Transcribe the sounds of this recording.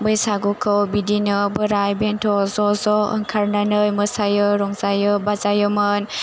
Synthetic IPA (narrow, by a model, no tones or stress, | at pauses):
bɯjsaɡukʰɯwbidinɯbɯɾajbentʰɔzɔzɔɯ̰ŋkʰaɾnanɯjməsajɯɾɔŋzajɯbazajɯmɯn